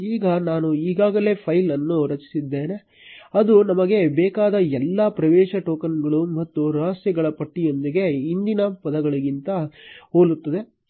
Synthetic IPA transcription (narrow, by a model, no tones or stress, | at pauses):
iːɡɐnaːnuiːɡaːɡɐle̞ːpʰɐjlɐnːuɾɐt͡ʃi̥sid̪ːe̞ːne̞ | ɐd̪unɐmɐɡe̞bɛːkaːd̪ɐɛlːɐpɾɐʋɛːʃɐʈoːkɐnɡɐɭumɐt̪ːuɾaːsjɐɡɐɭɐpɐʈːijo̞nd̪iɡe̞ind̪inɐpɐd̪ɐɡɐɭiɡint̪ɐoːlut̪ːɐd̪e̞